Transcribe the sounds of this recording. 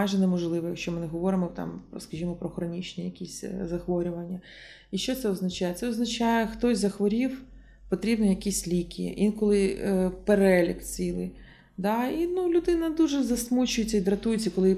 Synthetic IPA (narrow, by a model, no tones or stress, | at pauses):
jʒɛnɛmɔʒlˠɪʋɔjɐkʃt͡ʃɔmɪnɛɦɔʋɔɾɪmɔt̪ɑ̰mpɔskɐʒʲimɔpɾɔxɾɔnʲit͡ʃnʲijɐkʲisʲzɐxʋɔɾʲʊʋɐnʲːɐ | iʃt͡ʃɔt̪sɛɔznɐt͡ʃajɛt̪sɛɔznɐt͡ʃajɛxt̪ɔsʲzɐxʋɔɾʲiw | pɔt̪ɾʲibnɔjɐkʲisʲlʲikʲḭʔinkɔlˠɪpeɾɛlʲikt͡sʲilˠɪ̰j | d̪ɑinulʲʊd̪ɪnɐd̪uʒɛzɐsmut͡ʃʊjɪt͡sʲːɐid̪ɾɐt̪ujʊt͡sʲːɐkɔlˠɪ